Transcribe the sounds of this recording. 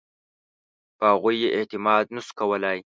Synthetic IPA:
pəhaɣujːeʔɪt̪ɪmɑːd̪̚nəskɐwəlaj

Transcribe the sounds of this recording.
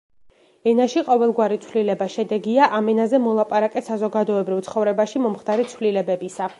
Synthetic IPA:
ɛnaʃiqʼɔvɛlˠɡwaɾit̪sʰvlilɛbaʃɛd̪ɛɡiaʔamɛnazɛmɔlˠapʼaɾakʼɛsazɔɡad̪ɔɛbɾivt̪sʰχɔvɾɛbaʃimɔmχd̪̥aɾit̪sʰvlilɛbɛbisa

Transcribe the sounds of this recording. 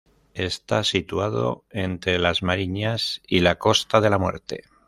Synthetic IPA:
e̞st̪asit̪uaðo̞̰ent̪ɾe̞lazmaɾiɲasilako̞st̪aðe̞lamwe̞̰ɾt̪e̞̰

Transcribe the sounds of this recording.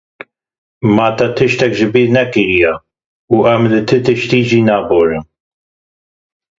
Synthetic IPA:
maːt̪ɐt̪ʰɨʃt̪ɛkʒɪbiːɾnɛkiɾija | uʔɐmlɨt̪ʰɨt̪ɨʃt̪iːd͡ʒiːnaːboːɾɨm

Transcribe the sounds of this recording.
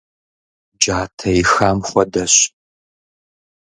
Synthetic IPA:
d͡ʒaːtʰɐjɪxaːmχʷɔdɐɕ

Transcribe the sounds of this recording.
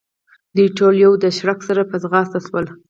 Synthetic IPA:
d̪əɪʈoljowd̪əʃɾaksaɾapəzɣɑst̪aswəl

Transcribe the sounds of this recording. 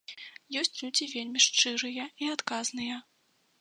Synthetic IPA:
jɔsʲt͡sʲlʲut͡sʲivʲelʲmʲiʂt͡ʂɨɾɨjɐiat̪kaznɨjɐ

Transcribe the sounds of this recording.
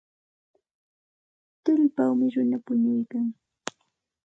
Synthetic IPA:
t̪ʊʎpawmɪɾʊnapʊɲʊjkaŋ

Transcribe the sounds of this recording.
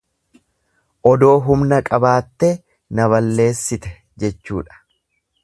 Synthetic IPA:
ʔɔd̪o̞ːɦʊmnɐkʼɐbaːt̪ːɛ | nɐβɐlːe̞ːsːɪt̪ɛ | d͡ʒɛt͡ʃːṵːᶑɐ̥

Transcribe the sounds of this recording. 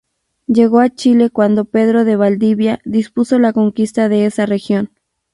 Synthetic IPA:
ʝe̞ɣoat͡ʃile̞kwand̪o̞pe̞ðɾo̞ðeβald̪iβjaðispuso̞lako̞ŋkist̪aðe̞esarexjo̞n

